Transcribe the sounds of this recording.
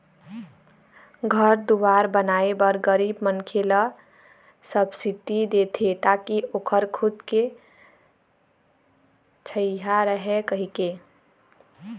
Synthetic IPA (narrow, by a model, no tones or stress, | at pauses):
ɡʱəɾd̪uwaɾbənaebəɾɡəɾibmənkʰelə | səbsiʈid̪et̪ʰet̪akiʔokʰəɾkʰud̪ke | t͡ʃʰəiɦaɾəɦekəɦike